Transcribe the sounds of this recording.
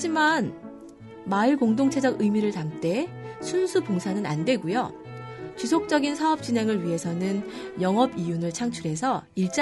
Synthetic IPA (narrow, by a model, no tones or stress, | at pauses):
ad͡ʑiman | maiɭkoŋdoŋt͡ɕʰe̞d͡ʑʌɡɯjmiɾɯɭtamt͈e̞sʰunsʰupoŋsʰanɯna̰ndwe̞ɡujo | t͡ɕusʰok̚t͡ɕ͈ʌɡinsʰaʌp̚t͡ɕ͈inɦe̞ŋɯɭɥiɦe̞sʰʌnɯnjʌŋɦʌbijunɯɭt͡ɕʰaŋt͡ɕʰuɾe̞sʰʌiɭt͡ɕ͈